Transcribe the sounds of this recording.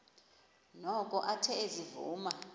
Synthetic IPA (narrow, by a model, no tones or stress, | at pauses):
nɔkʼɔʔatʰɛezivṵːma